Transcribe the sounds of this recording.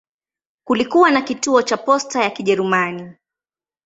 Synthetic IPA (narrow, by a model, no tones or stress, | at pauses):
kulikuwanakituɔt͡ʃapɔstajakiʄɛɾumani